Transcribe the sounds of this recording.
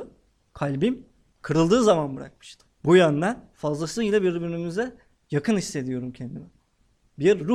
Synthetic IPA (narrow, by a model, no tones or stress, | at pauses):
kʰalʲbim | kʰɯɾɯlˠd̪ɯːzamanbɯɾa̰k̚mɯ̥ʃt̪ʰɯ̥bujœnd̪ænfazlˠasˠɯilʲˠabiɾibiɾnymyzɛ | jakʰɯnisːe̞d̪ijo̞ɾumcʰend̪inɛ | biɾːu